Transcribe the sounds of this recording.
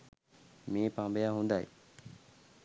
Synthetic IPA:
meːpaŋbejaɦund̪aj

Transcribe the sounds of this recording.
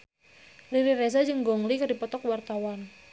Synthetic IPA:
liɾirezad͡ʒəŋɡɔŋlikərdipɔt̪ɔkwart̪awan

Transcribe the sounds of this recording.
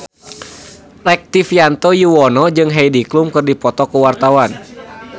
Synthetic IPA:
lɛk̚t̪ifijant̪ɔjuwɔnɔd͡ʒɨŋɦɛjdiklumkɨrdipɔt̪ɔkuwart̪awan

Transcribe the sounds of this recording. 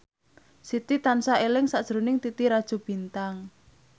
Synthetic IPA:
sit̪it̪ansaelɪŋsaʔd̥ʒ̥ɾonɪŋt̪it̪iɾad̥ʒ̥o̤b̥i̤nt̪aŋ

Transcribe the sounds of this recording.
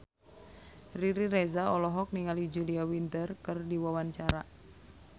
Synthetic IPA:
riɾiɾezaɔlɔɦɔk̚niŋalid͡ʒuliawint̪ərkɨrdiwawant͡ʃaɾa̰

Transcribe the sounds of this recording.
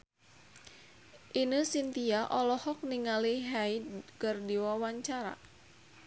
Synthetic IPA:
ʔinəsint̪iaʔɔlɔhɔk̚niŋaliɦaikərdiwawaɲt͡ʃaɾa̰

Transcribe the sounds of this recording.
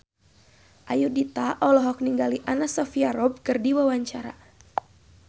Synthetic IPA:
ʔajudit̪aʔɔlɔɦɔk̚niŋɡaliʔanasɔfiaɾɔb̚kɨrdiwawaɲt͡ʃaɾa̰

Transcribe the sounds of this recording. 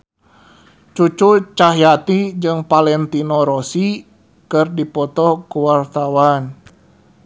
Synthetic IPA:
t͡ʃut͡ʃut͡ʃaɦjat̪id͡ʒɨŋpalɛnt̪inɔɾosi | kɨrdipɔt̪ɔkuwart̪awan

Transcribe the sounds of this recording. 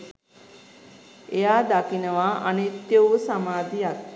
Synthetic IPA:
ejaːd̪akinəʋaanit̪jəwsamaːd̪ijak̚

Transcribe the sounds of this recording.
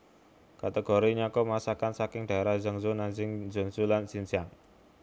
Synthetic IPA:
kat̪əɡ̥oɾiɲakɔmasakansakɪŋɖ̥a̤eɾahzəŋzunand͡ʒɪŋzəŋzulansint͡ʃaŋ

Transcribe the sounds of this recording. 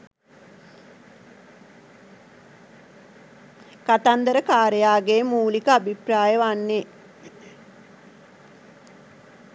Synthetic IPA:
kat̪and̪əɾəkaːɾejaːɡeːmuːlikəabʱipraːjəʋanːe

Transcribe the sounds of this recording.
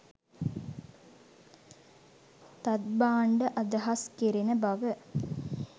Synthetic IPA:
t̪ɐt̪̚baːɳɖəʔɐd̪ɐɦɐskiɾinəbɐʋə

